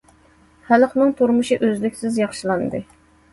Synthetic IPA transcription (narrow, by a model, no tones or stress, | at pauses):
hælχnɨŋt̪ʰuɾmuʃiʔøzlɪkʲsɪzjɑχʃɨlˠɑnd̪ɨ